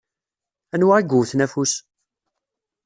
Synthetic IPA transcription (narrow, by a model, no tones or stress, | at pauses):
ænwaiɡuwθnæfus